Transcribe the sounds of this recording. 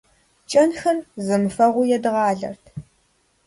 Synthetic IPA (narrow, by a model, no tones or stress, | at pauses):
t͡ʃʼɐnxɐmzɨmɨfɐʁʷʊjɛdɨʁɑːɮɐ̰rtʰ